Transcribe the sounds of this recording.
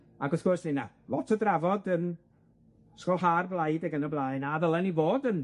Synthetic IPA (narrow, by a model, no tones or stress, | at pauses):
aɡɔθɡ̥ɔrsnɪna | lɔtʰədravɔdən | skɔlˠɦaːrblˠajdəɡənəblˠaːɨnaðəlˠɛnivoːdən